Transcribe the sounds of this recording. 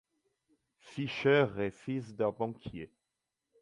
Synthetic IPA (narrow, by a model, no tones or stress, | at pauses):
fiʃœʁefisd̪ɛ̃bɑ̃kʲʰje